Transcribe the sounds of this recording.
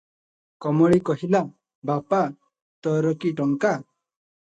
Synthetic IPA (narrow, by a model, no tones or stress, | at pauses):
kɔmɔɽikɔɦila | bapa | t̪ɔɾɔkiʈɔŋka